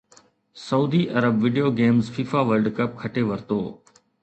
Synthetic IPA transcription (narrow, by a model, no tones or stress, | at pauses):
sɐuːd̪iʔɐɾəbʋɪɖijoːɡeːmzfiːfaːʋəɾɖkɐp̚kʰɐʈeʋɐɾt̪oː